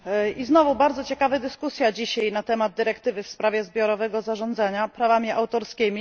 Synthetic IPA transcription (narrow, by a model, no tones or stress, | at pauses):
iznɔvubaɾd̪zɔt͡ɕɛkavɘd̪ɘskusʲjad͡ʑiɕajnat̪ɛmad̪̚d̪ɘɾɛkt̪ɘvɘfspɾavʲjɛzbʲjɔɾɔvɛɡɔzaʐɔnd̪zaɲapɾavamʲiʔawt̪ɔɾskʲimʲi